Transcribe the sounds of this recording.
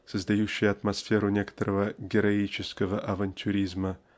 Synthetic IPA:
səzd̪ajuɕːɪjɐt̪mɐsfʲe̞ɾʊnʲe̞kə̥t̪əɾəvəɡʲɪɾɐit͡ɕɪskəvəʔɐvɐnʲt̪ʲʰʊɾʲizmə

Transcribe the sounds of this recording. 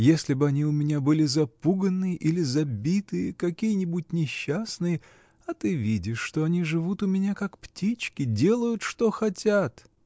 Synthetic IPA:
jesʲlʲɪbɨɐnʲiʊmʲɪnʲabɨlʲɪzɐpuɡənːɨjəʔilʲɪzɐbʲit̪ɨjəkɐkʲijənʲɪbut̚ʲnʲɪɕːasnɨjə | ɐt̪ɨvʲidʲɪʂːt̪o̞ɐnʲiʐɨvut̪ʊmʲɪnʲakakptʲit͡ɕkʲɪdʲe̞lˠəjʊt̪ʂt̪o̞xɐtʲat̪

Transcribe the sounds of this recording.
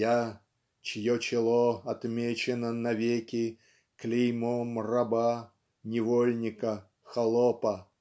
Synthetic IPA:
ja | t͡ɕɪjot͡ɕɪlˠoɐt̪mʲet͡ɕɪnənɐvʲekʲɪ | klʲimomrɐba | nʲɪvolʲnʲɪkə | xɐlˠopə

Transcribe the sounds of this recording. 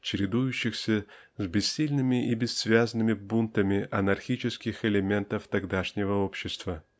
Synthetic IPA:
t͡ɕɪɾʲɪd̪ujʊɕːɪxsʲə | zʲbʲɪsːʲilʲnɨmʲɪʔibʲɪsːvʲazənɨmʲɪbunt̪əmʲɪʔɐnɐrxʲit͡ɕɪskʲɪxɪlʲɪmʲe̞nt̪əft̪aɡd̪aʂnʲɪvəo̞pɕːɪst̪və

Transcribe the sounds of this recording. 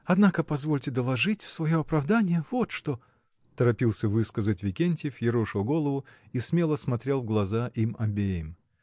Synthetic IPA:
ɐd̪nakəpɐzvolʲtʲɪd̪əlˠɐʐɨtʲfsvɐjo̞ɐpɾɐvd̪anʲɪjəvo̞t̪ʂt̪o̞ | t̪əɾɐpʲilˠsʲəvɨskəzətʲvʲɪkʲenʲtʲɪfjɪɾuʂɨlˠɡo̞lˠəvʊismʲe̞lˠəsmɐt̪ɾʲelˠvɡlˠɐzaʔimɐbʲejɪm

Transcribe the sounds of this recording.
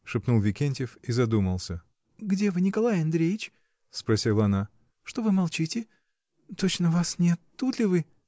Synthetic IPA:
ʂɨpnulˠvʲɪkʲenʲtʲɪfizɐd̪uməlˠsʲə | ɡdʲe̞vɨnʲɪkɐlˠajɐnd̪ɾʲejɪt͡ɕ | spɾɐsʲilˠəɐna | ʂt̪o̞vɨmɐlˠt͡ɕitʲɪ | t̪o̞t͡ɕnəvasnʲɪɐt̪ːut̪lʲɪvɨ

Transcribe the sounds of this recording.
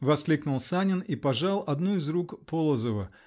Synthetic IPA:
vɐsklʲiknʊlˠsanʲɪnipɐʐɑlˠɐd̪nuɪzrukpolˠəzəvə

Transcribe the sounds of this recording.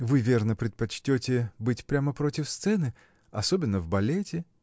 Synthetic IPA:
vɨvʲernəpɾʲɪt̪̚pɐt͡ɕtʲotʲɪbɨtʲpɾʲaməpɾo̞tʲɪfst̪sɛnɨ | ɐsobʲɪnːəvbɐlʲetʲɪ

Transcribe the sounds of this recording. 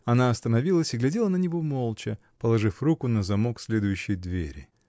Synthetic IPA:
ɐnaɐst̪ənɐvʲilˠəsʲɪɡlʲɛdʲelˠənənʲɪvo̞mo̞lˠt͡ɕə | pəlˠɐʐɨfrukʊnəzɐmo̞ksʲlʲed̪ʊjʉɕːɪjd̪vʲḛɾʲɪ̰

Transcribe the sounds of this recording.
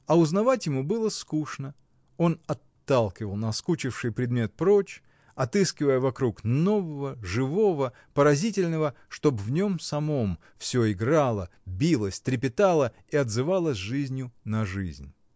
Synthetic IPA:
ɐʊznɐvatʲjɪmubɨlˠəskuʂnə | o̞nɐt̪ːalˠkʲɪvəlˠnɐskut͡ɕɪfʂɨjpɾʲɪd̪mʲe̞t̪̚pɾo̞t͡ɕ | ɐt̪ɨskʲɪvəjəvɐkɾukno̞vəvəʐɨvo̞və | pəɾɐzʲitʲɪlʲnəvə | ʂt̪o̞bvnʲo̞msɐmo̞m | fsʲoɪɡɾalˠəbʲilˠəsʲt̪ɾʲɪp̬ʲɪt̪alˠə | iɐd̪zɨvalˠəsʲʐɨzʲnʲjʊnɐʐɨ̰zʲnʲ

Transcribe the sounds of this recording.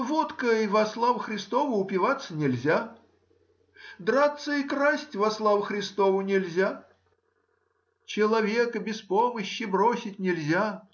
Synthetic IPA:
vot̪kəivɐslˠavxɾʲɪst̪ovʊʊpʲɪvat̪sːənʲɪlʲzʲa | d̪ɾat̪sːəikrasʲtʲvɐslˠavxɾʲɪst̪ovʊnʲɪlʲzʲa | t͡ɕɪlˠɐvʲe̞kəbʲɪspoməɕːɪbɾosʲɪtʲnʲɪlʲzʲa

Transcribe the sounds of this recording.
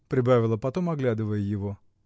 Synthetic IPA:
pɾʲɪbavʲɪlˠəpɐt̪o̞mɐɡlʲad̪ɨvəjəjɪvo̞

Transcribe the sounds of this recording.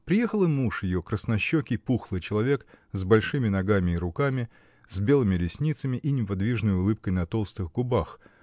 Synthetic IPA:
pɾʲɪjexəlˠɨnuʂjɪjokɾəsnɐɕːokʲɪjpuxlˠɨjt͡ɕɪlˠɐvʲe̞kzbɐlʲʂɨmʲɪnɐɡamʲɪːɾʊkamʲɪ | z̥ʲbʲe̞lˠɨmʲɪlʲɪsʲnʲit̪səmʲɪʔinʲɪpɐd̪vʲiʐnəjʊlˠɨp̚kəjnɐt̪o̞lˠst̪ɨxɡʊbax

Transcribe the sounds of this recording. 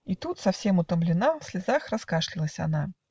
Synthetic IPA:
it̪ut̪sɐfsʲɛmʊt̪əmblʲɪnafsʲlʲizaxrɐskaʂlʲilˠəsʲana

